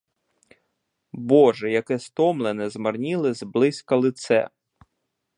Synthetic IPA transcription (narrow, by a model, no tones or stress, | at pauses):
bɔʒɛjɐkɛst̪ɔmlˠenɛzmɐrnʲilˠɪzblˠɪsʲkɐlˠɪt̪sɛ̰